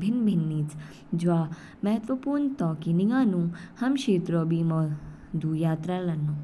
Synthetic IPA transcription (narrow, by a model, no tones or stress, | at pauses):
bʱɪnbʱinːiːt͡s | d͡ʒʋaː | mɐɦət̪ʋəpuːɾɳt̪ɔːkiniɡaːnũhɐmʃiːt̪ɾobiːmɔ | d̪ʱujaːt̪ɾaːlɐnːu